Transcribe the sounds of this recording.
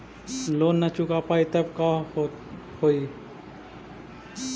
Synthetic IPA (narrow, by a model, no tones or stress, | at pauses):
loːnːət͡ʃukapait̪əb̚ka | hoi